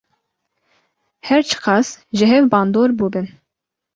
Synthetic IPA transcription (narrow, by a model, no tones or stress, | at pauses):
hɛɾt͡ʃʰɨ̥qɑːsʒɨɦɛvbɑːnd̪oːɾbubɨn